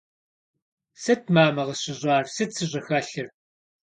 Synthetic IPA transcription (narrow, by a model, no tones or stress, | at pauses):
sɐtʰmaːmɐʁɐɕɪʑʷʼaːrsɨtsʰɨʑʼɐxaːɬɨr